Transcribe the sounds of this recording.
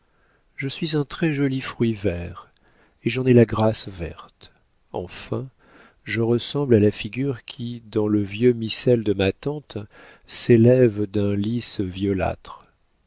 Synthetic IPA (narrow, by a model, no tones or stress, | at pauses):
ʒəsɥizɛ̃t̪χɛʒɔlifχɥivɛʁ | eʒɑ̃nɛlaɡʁasvɛ̰ʁt̪ | ɑ̰̃fɛ̃ | ʒəʁəsɑ̃blalafiɡʲyʁkʲʰid̪ɑ̃ləvjømisɛld̪əmat̪ɑ̃t̪ | selɛvd̪ɛ̃lisvjɔla̰t̪χ